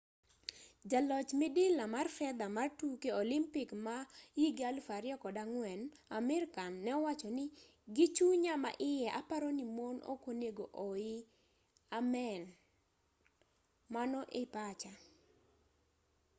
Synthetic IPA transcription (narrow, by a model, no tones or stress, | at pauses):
d͡ʒalɔt͡ʃmɪdɪlamarfɛd̪amartukeolimpɪkmajiɡalfaɾɪɔkɔdaŋwɛn | amɪɾkanːɛɔwat͡ʃɔnɪ | ɡɪt͡ʃuɲama̰ʔɪjɛʔapaɾonimono̰koneɡoʔoɪ | amɛn | manɔʔepat͡ʃa